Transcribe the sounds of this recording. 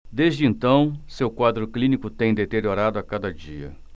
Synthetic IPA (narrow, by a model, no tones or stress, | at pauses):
d̪ezd͡ʒɪẽnt̪ɐ̃w̃sewkwad̪ɾʊklĩnikʊt̪ẽj̃d̪et̪eɾioɾad̪ʊakad̪ɐd͡ʒiɐ̰